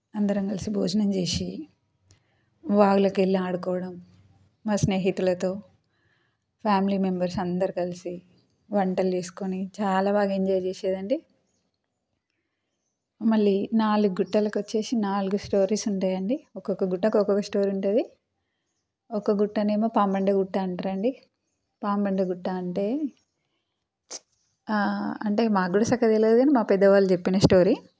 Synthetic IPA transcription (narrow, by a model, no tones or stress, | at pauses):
ɐnd̪ɐɾɐŋkɐlisibʱoːd͡ʒɐnɐmt͡ʃeːsi | ʋaːɡulɐkelːaːɽukɔːʋɐɽɐmː | aːsne̞ːɦit̪ulɐt̪o̞ː | pʰjaːmiliːme̞mbɐɾsɐnd̪ɐɾikɐlisi | ʋɐɳʈɐld͡ʒeːsu̥konit͡ʃaːlaːbaːɡɐeɲd͡ʒaːjt͡ʃeːʃeːd̪ɐɳɖi | mɐɭːinaːluɡuɡuʈːɐːlɐkuʋɐt͡ʃːe̞ːsinaːluɡusʈo̞ːɾiːsuɳʈaːjɐɳɖiɔkokːɐɡuʈːɐkɔkɐkɐsʈo̞ːɾiuɳʈɐd̪i | ɔkːɐɡuʈːɐneːmaːpaːmbɐɳɖɐɡuʈːaːɳʈɐɾɐɳɖi | paːmbɐɳɖɐɡuʈːaːɳʈe̞ː | ɐɳʈe̞ːmaːkɡuːɽɐsɐkʰːɐt̪elːed̪uɡaːnimaːpɛd̪ːɐʋaːlut͡ʃepːinɐsʈo̞ːɾi